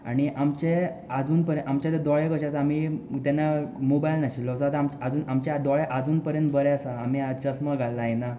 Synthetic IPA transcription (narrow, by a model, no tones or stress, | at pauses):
aɽ̃iʔamt͡ɕe | ad͡zuːnpəɾə̃amt͡ɕat̪ed̪ɔɭekəɕasaːm̤it̪anamobajlnaɕilːɔsat̪amt͡ɕad͡zuːnamt͡ɕad̪ɔɭeʔad͡zuːnpəɾjənt̪̚bəɾeasaːmiat͡ɕəsməɡʱalːaena